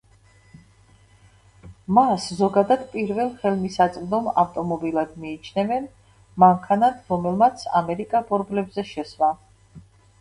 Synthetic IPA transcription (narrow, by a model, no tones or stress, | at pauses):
maszɔɡad̪ad̪pʼiɾvɛlˠχɛlˠmisat̪sʼqʼd̪ɔma̰ft̪ʼɔmɔbilˠad̪miːt͡ʃʰnɛvɛn | maŋkʰanat̪ʰɾɔmɛlˠmat̪sʰa̰mɛɾikʼabɔɾblɛbzɛʃɛswa